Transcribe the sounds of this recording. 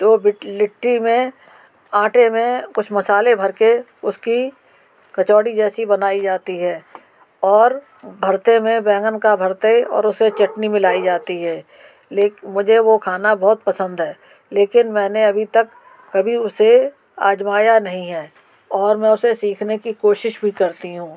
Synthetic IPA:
d͡ʒoːbɪʈlɪʈɾimẽ | ãːʈʰemẽkʊt͡ʃʰmɐsaːlebʱɐɾke | ʊski | kɐt͡ʃɔːɽid͡ʒɛːsibɐnaːid͡ʒaːt̪iɦɛː | ɔːɾ | bʱɐɾt̪emẽbɛ̃ːŋɡənkabʱəɾt̪eɔ̰ːɾʊset͡ʃɐʈnimɪlaːid͡ʒaːt̪iɦɛː | leːkmʊd͡ʒʱeʋokʰaːnabɔːt̪̚pɐsə̃nd̪ɦɛː | leːkɪnmɛ̃ːneɐbʱit̪ɐkː | ɐbʱiʊse | a̰ːd͡ʒmaːjanɐɦĩɦɛː | ɔːɾmɛ̃ʊsesiːkʰnekikoːʃɪʃbʱikɐɾt̪iɦũː

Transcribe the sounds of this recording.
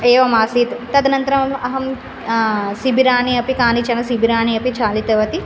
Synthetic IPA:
eːʋɐmaːsiːt̪ut̪ɐd̪ɐnɐnt̪ɐɾɐmɐɦɐm | sibiɾaːniɐpikaːnit͡ʃɐnɐsibiɾaːniɐpit͡ʃʰaːlit̪ɐʋɐt̪i

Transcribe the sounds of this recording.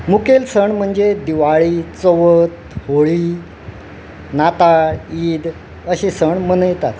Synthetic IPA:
mukelsəɳm̤əɳd͡zed̪iʋaɭiːt͡soʋət̪ | hoɭi | nat̪aiːd̪ | əɕesəɳmənəjt̪at̪

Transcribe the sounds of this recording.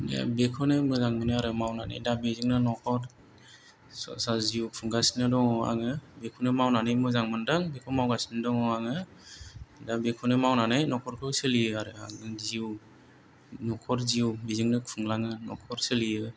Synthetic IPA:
dḛbekʰɔnemɯzaŋmɯnɯaɾɯmawnanɯ̰jdabiziŋnɯnɔkʰɔɾ | sɔ̰saziwkʰɯŋɡasnɯdɔŋɔa̰ŋɯbekʰɔnemawnanɯjmɯzaŋmɯndaŋbekʰɔmawɡasnɯdɔŋɔaŋɯ | dabekʰɔnemawnanɯjnɔkʰɔɾkʰɯwselijɯaɾɯa̰ŋdɯŋziw | nɔkʰɔɾziwbiziŋnɯkʰɯŋlaŋɯnɔkʰɔɾselijɯ

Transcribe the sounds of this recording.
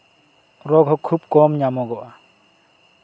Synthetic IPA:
ɾɔɡɦɔkʰub̚kɔmɲamɔɡɔʔa

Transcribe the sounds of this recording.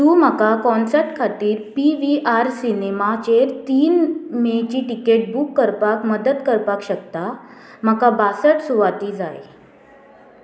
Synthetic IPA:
t̪ũm̤akakɔnsəɾʈkʰat̪iːɾpiʋiʔaɾsinemat͡ɕeɾt̪iːnmet͡ɕiːʈikeʈ̚bukːəɾpakməd̪ət̪kəɾpakɕəkt̪a | m̤akabasəʈsuʋat̪iːd͡za̰j

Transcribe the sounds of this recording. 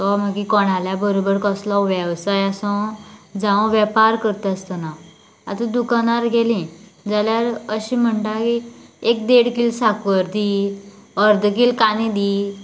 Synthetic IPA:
t̪ɔm̤akikɔɽ̃aljabəɾobəɾkəslɔʋjəʋsajasɔ̃d͡zãʋ̃ʋjəpaɾkəɾt̪əst̪ana | a̰t̪ud̪ukanaɾɡʱelĩd͡zaljaɾəɕĩm̤əɳʈakiek̚d̪eɽkiːlsakʋəɾd̪i | əɾd̪ʱkiːlkanid̪iː

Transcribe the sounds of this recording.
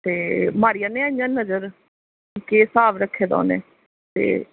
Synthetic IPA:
t̪eːmaːɾijãːneːaɲd͡ʒãːnəzəɾ | keːsaːʋɾəkʰːeːd̪a̰ːnḛː | t̪ḛː

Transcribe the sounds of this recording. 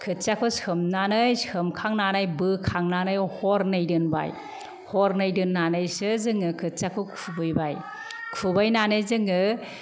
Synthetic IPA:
kʰɯtt͡ʃakʰɯsɯmnanɯjsɯmkʰaŋnanajbɯkʰaŋnanɯjhɔɾnɯjdɯnba̰j | hɔɾnɯjdɯnːanɯjsɯzɯŋɯkʰɯt̚t͡ʃakʰɯkʰubɯjbaj | kʰubajnanɯjzɯŋɯ

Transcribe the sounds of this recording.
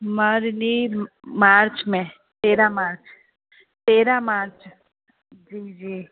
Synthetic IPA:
maɾni | maːɾt͡ʃmẽ | t̪eːɾamaːɾt͡ʃ | t̪eːɾamaːɾt͡ʃ | d͡ʒiːd͡ʒiː

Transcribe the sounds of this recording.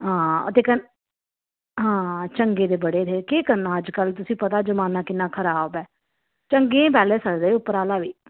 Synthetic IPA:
ɦãːə̰t̪eːkən | ɦãːt͡ʃəŋɡeːd̪eːbəɽeːt̪ʰeːkeːkəɾnãːəd͡ʒkəlt̪ʊsĩːpət̪aːzəmaːnaːkɪnːãːkʰəɾaːbɛː | t͡ʃəŋɡẽẽːp̬ɛːleːsəkd̪eːʊpːəɾaːlaːʋiː

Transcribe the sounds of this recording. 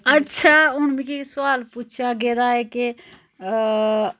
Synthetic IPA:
ətːʃʰaʊnmẽkesʊwaːlput͡ʃʰaɡeɾaɦɛke

